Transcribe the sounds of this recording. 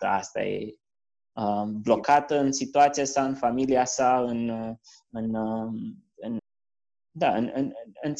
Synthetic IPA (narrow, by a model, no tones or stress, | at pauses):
t̪əast̪a̰j̰ | əmblokat̪əɨnsit̪uat̪siasaɨnfamiliasaɨn | ɨnəm | ɨn | d̪aɨnɨnɨn